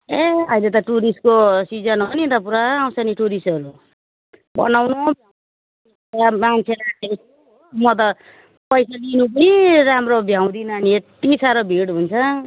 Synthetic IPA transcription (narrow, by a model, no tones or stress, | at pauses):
eʌjlet̪ʌʈuɾiskosid͡zʌnɦʌninɾʌp̬uɾaːw̃saniʈuɾisʌɾu | bʌ̰nawnobʱa | amant͡sʰelae | mʌt̪̬ʌ | pʌjsalinupʌniɾamrobʱjaw̃d̪inʌːniet̪isaɾʌbʱiɽɦunt͡sʰʌ